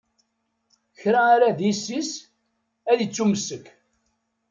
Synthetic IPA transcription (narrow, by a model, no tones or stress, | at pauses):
çɾæaɾaðisːis | æðət͡sːumsəkː